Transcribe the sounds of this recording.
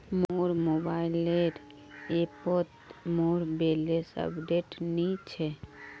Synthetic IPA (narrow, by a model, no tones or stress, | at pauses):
moɾmobaːɪleɖ | epot̪moɾbelesə̰bɖeʈnit͡ʃʰɛ